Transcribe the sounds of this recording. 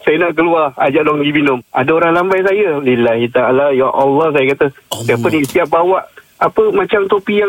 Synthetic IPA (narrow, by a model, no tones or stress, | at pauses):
sajanaʔkəluaa̰d͡ʒaʔlɔŋɡiminʊma̰daoɾaŋlambajs̬ajalilaɦit̪aalajaʔɔlːɔhs̬ajakat̪əsiapənist̪iap̚bawaʔ | apəmãt͡ʃamt̪opijaŋ